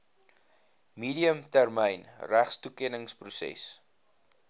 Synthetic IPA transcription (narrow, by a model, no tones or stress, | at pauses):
miːɾiəmtærmɛjnræχstukɛnəŋsprusɛ̰s